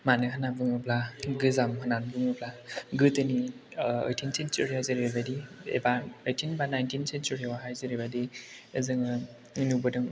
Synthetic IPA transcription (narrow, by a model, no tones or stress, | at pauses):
manɯɦɯnabɯŋɯplaɡɯzamɦɯnanbɯŋɯplaɡɯtɯniə̰jtʰinsent͡ʃuɾiajzɯɾbadiḛbaəjtʰinbanajntʰinsent͡ʃuɾiwaɦajzɯɾibadi | ɯzɯŋɯ | nubɯdɯŋ